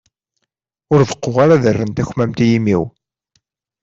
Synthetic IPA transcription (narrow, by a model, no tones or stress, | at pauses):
ʊɾðəqːoʁaɾaðərːənt̪æçmæmt̪jimḭw